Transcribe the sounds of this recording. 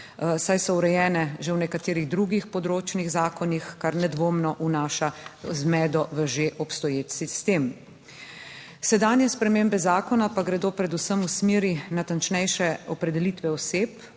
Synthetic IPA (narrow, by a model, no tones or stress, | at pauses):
sajsɔuɾɛjɛːnɛʒewnɛkat̪eːɾiɣd̪ɾuɡixpɔd̪ɾoːt͡ʃniɣzaːkɔnixkaɾnɛd̪ʋoːmnɔʔunaːʃazmɛːd̪ɔʋəʒeʔɔpst̪ɔjeːt̪sist̪eːm | sɛd̪aːnjɛspɾɛmeːmbɛzaːkɔnapaɡɾɛd̪oːpɾɛd̪usəmusmeːɾinat̪ant͡ʃnɛjʃɛɔpɾɛd̪ɛlit̪ʋɛɔseːp